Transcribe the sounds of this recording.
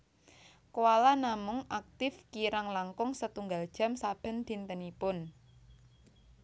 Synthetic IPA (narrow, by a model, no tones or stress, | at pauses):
kowalanamʊŋak̚t̪ɪfkiɾaŋlaŋkʊŋsət̪uŋɡald̥ʒ̥a̤msab̥ə̤nd̪̥i̤nt̪ənipʊn